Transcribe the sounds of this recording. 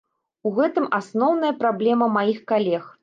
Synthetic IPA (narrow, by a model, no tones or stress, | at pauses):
uɣɛt̪ɨmasnɔwnɐjɐpɾablʲɛmɐmajixkalʲɛx